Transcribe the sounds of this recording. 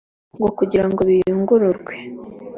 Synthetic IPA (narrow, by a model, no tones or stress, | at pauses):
ŋɡo̞kuɟiɾaŋɡo̞βijuŋɡuɾuɾɡwe̞